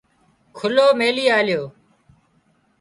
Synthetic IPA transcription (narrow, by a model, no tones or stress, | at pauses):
kʰʊloːmeːliːaːljoː